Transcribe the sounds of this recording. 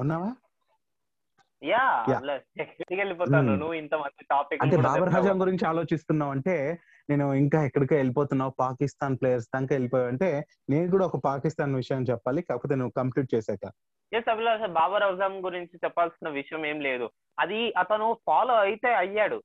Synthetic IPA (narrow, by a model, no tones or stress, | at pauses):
unːaːʋaː | jaːjaːlɐekɐʈikelipɔːaːunuʋint̪ɐmɐnd̪iʈaːpikːɐnebaːbɐɾɦaːd͡ʒaːmɡuɾiɲt͡ʃiaːlo̞ːt͡ʃist̪unːaːʋɐɳʈe̞ː | ne̞ːnuiŋkaːɛkːɐɽikeːelipoːt̪unːaːpaːkist̪aːnpleːjɐɾs̬d̪ɐŋkaːelipoːjaɐɳʈe̞ː | ne̞ːnuk̬uːɽaːɔkɐpaːkist̪aːnʋiʂɐjɐmt͡ʃɛpːaːlikaːkɐpoːt̪eːnuʋːukɐmpluːʈ̚t͡ʃɛːsaːka | jesɐbilasɐbaːbɐɾɐʋzaːmɐmɡuɾiɲt͡ʃit͡ʃɛpːaːlsinːɐʋiʂɐjɐme̞ːmle̞ːd̪u | ɐd̪iɐt̪ɐnupʰaːloːɐjit̪eːɐjːaːɽu